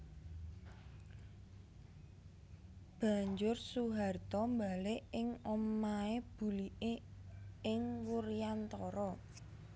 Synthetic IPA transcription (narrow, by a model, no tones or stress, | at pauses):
b̥ä̤ɲd͡ʒʊrsuɦart̪ɔmbalɪɪŋɔmaeb̥ṳliʔe | ɪŋwurijant̪ɔɾɔ